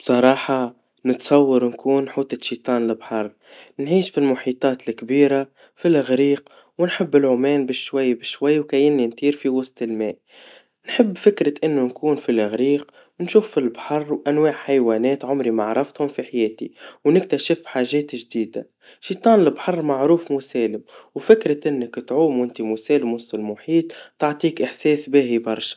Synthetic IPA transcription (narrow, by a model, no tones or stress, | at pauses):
b̥sˤɑɾˤɑːħɑ | nɪt̪sˤɑwːɑɾnkuːnħuːt̪ˤɑʃiːt̪ˤɑːnlɪbħɑrˤ | nʕiːʃfilmʊħiːt̪ˤɑːt̪lkbiːɾa | filʔɪɣɾiːq | wɪnħɪbːɪlʕʊmɛːnbɪʃːwajːbɪʃwajːwkajɪnːint̪iːɾfiwɑsˤt̪ɪlmɛ̰ːʔ | nħɪbːfɪkɾɪʔɪnːʊnkuːnfilʔɪɣɾiːq | wnʃuːfːilbħɑrˤːwʔænwaːʕħajwæːnɛːt̪ʕʊmɾimaʕɾˤɑft̪hʊmfiħajɛːt̪ḭwnɪk̚t̪æʃɪfħaːʒɛːt̪ʒd̪iːd̪a̰ | ʃiːt̪ˤɑːnɪlbħɑrˤmaʕɾuːfmusɛːlɪmwfɪkɾɪʔɪnːɪkt̪ʕuːmwɪnt̪imusɛːlɪmwʊsˤt̪ɪlmʊħiːt̪ˤt̪ɑʕt̪ˤiːkʔɪħsɛːsbɪɦibɑɾˤʃḁ